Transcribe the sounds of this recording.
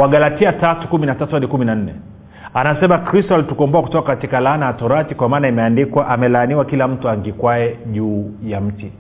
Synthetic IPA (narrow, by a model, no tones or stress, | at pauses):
waɡalatiatatu̥kuminatatɔɗikuminan̩nɛ | anasɛmakɾistɔalitukɔmbɔaku̥tɔkakatikalaːnaːtɔɾatikwamaːnaimɛandikwaʔamɛlaːniwakilam̩tuaŋɡikwaɛʄuːjam̩ti